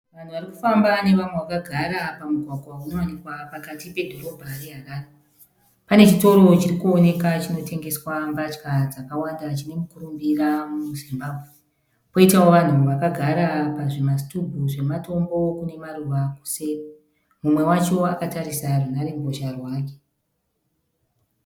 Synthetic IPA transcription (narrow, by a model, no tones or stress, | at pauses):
ʋan̤uʋariku̥fambane̞ʋamwe̞wakaɡʱaɾapamuɡʱwaɡʱwauno̞wanikwapakatipe̞dʱo̞ɾo̞bʱaɾeɦaraːna | panet͡ʃito̞ɾo̞t͡ʃirikuone̞kat͡ʃino̞te̞ŋɡe̞swambat͡ʃkad͡zakawandat͡ʃine̞mukuɾumbiramuzimbaːbʱwe | po̞itawoʋan̤uʋakaɡʱaɾapaʐe̞mas̬tudʱuʐe̞mato̞mbo̞kune̞maruʋaku̥se | mumwe̞wat͡ʃo̞akataɾisarunaɾe̞muɡʱoʃarwaːk̬e